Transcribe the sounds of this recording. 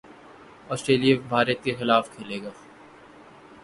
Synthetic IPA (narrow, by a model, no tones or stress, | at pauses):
ɔːsʈɾeːlijabʱaːɾət̪̚kexɪlaːfkʰeːleːɡaː